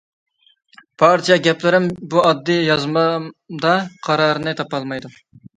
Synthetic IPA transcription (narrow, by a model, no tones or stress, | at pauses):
b̥ɑɾt͡ʃʰɛɡʲɛplɪɾɪmbuɑd̪ːɨjɑzmɑd̪ɑqʰɑɾɑɾɨnɨt̪ʰɑpɑlˠmɑjd̪u